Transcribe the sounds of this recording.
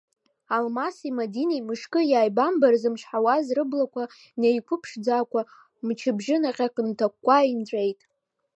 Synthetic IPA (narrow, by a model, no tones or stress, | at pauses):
almasimadinejmɨʂkʼɨjaːjbambarzɨmt͡ʃʰʷħawazrɨblakʷʰa | nejkʷʰʊpʰʂd͡zaːkʷʰʼa | mt͡ʃʰɪbʒɪnaqʲʼaqʼɨntʰakʷːaint͡ɕʷʼejtʼ